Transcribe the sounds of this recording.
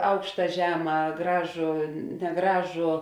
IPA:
ˈɐʊkʃtɐ ˈʒʲæːmɐ ˈɡrɑːʒʊ nʲɛˈɡrɑːʒʊ

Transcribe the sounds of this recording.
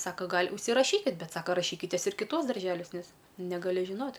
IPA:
ˈsɑːkɐ ˈɡɐlʲ ʊʃʲsʲɪˈrɑːʃʲiːkʲɪt ˈbʲɛt ˈsɑːkɐ rɐˈʃʲiːkʲɪtʲeːs ɪr kʲɪˈtuɔs dɐrʲˈʒʲæːlʲuɔs ˈnʲɛs nʲɛɡɐˈlʲɪ ʒʲɪˈnoːtʲ

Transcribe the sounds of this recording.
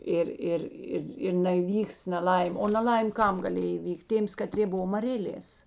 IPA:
ˈɪr ˈɪr ˈɪr ɪr nʲɛiːˈʋʲiːks nʲɛˈlˠɐɪmʲ oː nɐˈlˠɐɪmʲ ˈkɐm ɡɐˈlʲeːj iːˈʋʲiːktʲ ˈtʲeːms kɐˈtʲrʲeː ˈbʊʋoː mɐˈrʲeːlʲeːs

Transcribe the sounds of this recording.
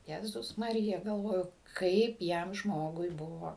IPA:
jɛˈzʊs mɐˈrʲɪjɛ ɡɐlˠˈʋoːjʊ ˈkɐɪp ˈjɛm ˈʒmoːɡʊɪ ˈbʊʋoː

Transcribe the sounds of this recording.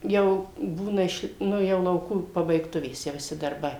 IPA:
ˈjɛʊ ˈbuːnɐ ɪʃ ˈnʊ jɛʊ lˠɐʊˈkuː pɐbɐɪkˈtʊʋʲeːs tʲiɛ ʋʲɪˈsʲɪ dɐrˈbɐɪ

